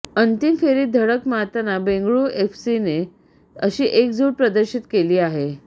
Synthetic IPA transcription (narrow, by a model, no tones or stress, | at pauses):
ənt̪imfeɾiːd̪ʱəɽəkmat̪anabẽŋɡɭuːʔefsine | əɕiːʔekd͡zuɾpɾəd̪əɾɕit̪keliːaɦe